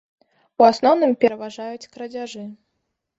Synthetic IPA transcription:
uasnɔwnɨmpʲɛɾɐvaʐajut͡sʲkɾɐd͡zʲaʐɨ

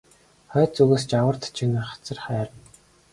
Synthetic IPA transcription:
χœːt͡suɣeːst͡ɕawə̆rt̪t͡ɕʰinɘ̆χḁt͡sə̆rχæːɾə̆n

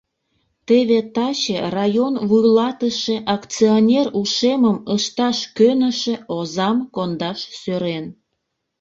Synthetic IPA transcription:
t̪eβet̪ɑt͡ɕerɑjonvujlɑt̪əʃe̽ʔɑkt͡sionʲeruʃeməməʃt̪ɑʃkønəʃeozɑmkond̪ɑʃsøɾen

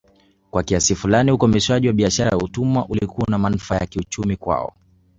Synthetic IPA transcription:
kwakiasifulaniukɔmɛʃwaʄiwaɓiaʃaɾajautumwaʔulikuanamanufajakiut͡ʃumikwa̰ɔ̰

